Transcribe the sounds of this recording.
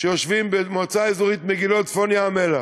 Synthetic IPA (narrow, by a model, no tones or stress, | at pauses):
ʃejoʃvimbemot͡saizuʁit̪meɡilotfonjaːmela